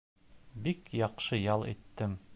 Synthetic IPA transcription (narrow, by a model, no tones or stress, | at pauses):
bikjɑqʃɤjɑlˠḭt̪ːɘm